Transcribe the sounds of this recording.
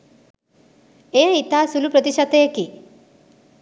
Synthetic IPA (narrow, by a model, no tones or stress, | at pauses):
eait̪asulupɾət̪iʃat̪eeki